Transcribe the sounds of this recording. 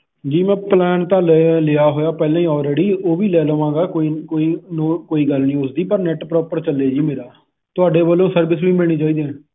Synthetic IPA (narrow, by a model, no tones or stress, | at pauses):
d͡ʒiːmɛ̃ːplɛːnt̪ãːllɪjaːɦoːjaːpɛːlãːĩːɔːlɾeːɽiːoːʋiːlɛːləʋãːɡaːkoːikoːiːnõːkoːiːɡəlnĩːʊsd̪iːpəɾnɛʈpɾɔːpəɾt͡ʃəlːeːd͡ʒiːmeːɾaː | t̪ʊaːɖeːbəlːõːsəɾbɪsʋĩːbeːɽ̃iːt͡ʃaːiːd̪eɛ̃ː